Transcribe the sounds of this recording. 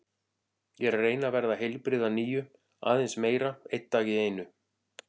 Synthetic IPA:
jɛɾreːjnavɛɾðaɦejlpɾɪðaniːjʏ | a̰ːðejnsmeːjɾaejt̪ːaːcɪeːjnʏ

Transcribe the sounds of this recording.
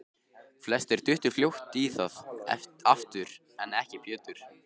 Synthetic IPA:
flɛst̪ɛɾ̥t̪ʏht̪ʏɾ̥fljowht̪iθaðaft̪ʏɾ | ɛnɛhcɪpʰjɛːt̪ʏɾ̥

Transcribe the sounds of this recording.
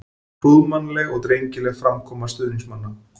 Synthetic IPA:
puːðmanlɛɣɔɣt̪ɾejɲcɪlɛɣfɾamkʰɔːmast̪ʏːniŋsmanːa

